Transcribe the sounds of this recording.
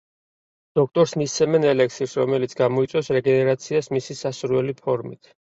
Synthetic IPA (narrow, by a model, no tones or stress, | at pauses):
d̪̥ɔk̚ʰt̪ʼɔɾsmist̪sʰɛmɛnɛlɛksiɾsɾɔmɛlit̪sʰɡamɔit̪sʼɔsɾɛɡɛnɛɾat̪sʰiasmisisasuɾwɛlipʰɔɾmit̪ʰ